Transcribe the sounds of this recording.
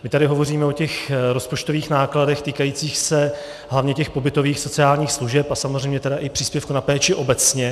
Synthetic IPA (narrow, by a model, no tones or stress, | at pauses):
mɪt̪adɪɦo̞vo̞riːmɛo̞cɛxɾo̞spo̞t͡ʃt̪o̞viːxnaːkladɛxt̪iːkajiːt͡siːxsɛ | ɦlavɲɛcɛxpo̞bɪt̪o̞viːxso̞t͡sɪaːlɲiːxsluʒɛpasamozrɛjmɲɛt̪ɛdaʔɪpr̝̥iːspjɛfkunapɛːt͡ʃɪʔo̞bɛt͡sɲɛ